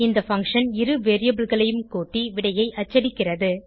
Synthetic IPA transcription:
ɪnd̪ɐfɐŋkʂɐnɪɾɯʋeːɾɪjɐbɪɭɣɐɭɐjɯmkoːʈːiʋɪɽɐjɐɪʔɐt͡ʃːɐɽɪkːɪrɐðɯ

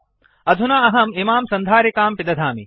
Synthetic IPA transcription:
ɐd̪ʱunaːɐɦɐmimaːmsɐnd̪ʱaːɾɐkaːmpɪd̪ɐd̪ʱaːmi

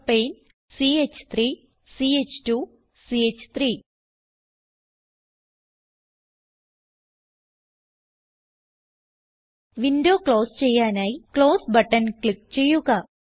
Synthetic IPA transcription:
peːn | siet͡ɕːt̪ʰɾiː | siːet͡ɕːʈu | siːet͡ɕːt̪ʰɾiː | ʋinɖoːkɭoːst͡ɕejːaːnaːjikɭoːsbɐʈːɐnklikt͡ɕejːuɣɐ

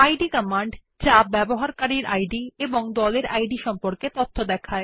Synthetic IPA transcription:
ajɖikɔmaɳɖ | d͡ʑabɛboɦaɾkaɾiɾajɖieboŋd̪ɔleɾajɖiʃɔmpoɾket̪ot̪ʰːod̪ɛkʰae

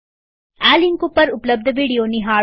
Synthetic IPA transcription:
aːliŋkupːɐɾʊplɐb̚d̪ʱɐʋiːɽijoːniɦaː

